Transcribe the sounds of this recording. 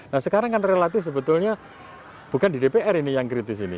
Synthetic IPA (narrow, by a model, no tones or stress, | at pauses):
nahsəkaɾaŋkanrelat̪ɪfsəbət̪ʊlɲa | b̥ukandidepeʔɛrinijaŋkɾit̪ɪsinḭ